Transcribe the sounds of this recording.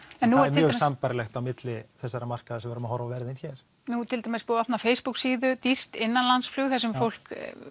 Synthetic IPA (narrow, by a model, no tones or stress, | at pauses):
ɛnːuɾmɪœːɣsampaɾɪlɛxt̪awmɪt̪lɪθɛsːaɾamar̥kaðasɛmvɛɾɪmahɔɾvavɛːɾɪðinçɛɾ̥ | nut̪ʰɪlt̪amespoːat̪nafeːjspuksiːðʏt̪ir̥t̪ɪnːanlansfluɣθɛs̬ɛmfowl̥k